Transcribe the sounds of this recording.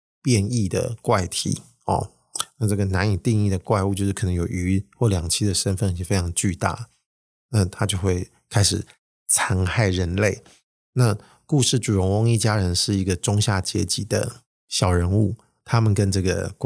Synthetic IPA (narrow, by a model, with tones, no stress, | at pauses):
pjɛ˥˧ni˥˩d̪ə̰˩kwa˥˩ɪt̪ʰḭ˨˩˦ | ɔ̰˩ | na˥˧ʈ͡ʂɤ˥˩ɡə˩na˧˦ni˨˩t̪i˥˧ŋi˥˩d̪ə˩kwa˥˧ɪu˥˧t͡ɕjʂ̩˥kʰɤ˨˩nə˧˦ŋjo˨˩ʊy˧˥xwɔ˥˩ljɑ˨˩ŋt͡ɕʰi˥d̪ə˨ʂə˥nfə˥˩ni˨˩ɛ˥˩fe˥ɪʈ͡ʂʰɑ˧˥ŋt͡ɕy˥˧t̪a̰˥˩ | na˥˩t̪ʰa˥t͡ɕjo˥˧ʊxwe˥˩ɪ | kʰa˥ɪʂɻ̩˨˩ | t͡sʰa˧˥ŋxa˥˩ɪɻə˧˦˥nle˥˩ɪ | na˥˧ | ku˥˧ʂɻ̩˥˩ʈ͡ʂu˨˩ɻʊ˧˥ŋwʊ˥ŋi˥˩t͡ɕja˥ɻə˧˦nʂɻ̩˥˩i˧˥ɡə˨ʈ͡ʂʊ˥ŋɕja˥˩t͡ɕjɛ̰˧˥t͡ɕi˨˩d̪ə̰˦ | ɕjɑ˨˩ʊɻə˧˥nu˥˩ | t̪ʰa˥mə˨nkə˦nʈ͡ʂɤ˥˩ɡə̰˩k